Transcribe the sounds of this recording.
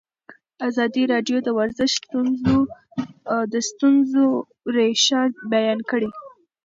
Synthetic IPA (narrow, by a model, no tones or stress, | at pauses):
azɑd̪iɾɑɖjod̪əwaɾzəʃt̪unzo | d̪əst̪unzo | ɾeʃɑɾd̪̚bajɑnkəɽi